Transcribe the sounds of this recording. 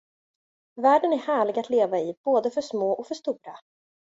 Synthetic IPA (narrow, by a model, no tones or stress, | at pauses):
væːɖənæɾhæːɭɪɡat̪ʰleːvaɪb̥oːd̪əfœʂmoːʔɔkfœʂt̪uːɾa